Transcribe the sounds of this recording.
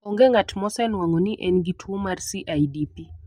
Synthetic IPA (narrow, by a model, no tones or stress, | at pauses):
ɔŋɡɛŋatmɔsɛnwaŋɔniʔɛnɡitʰwomarsiʔajdipi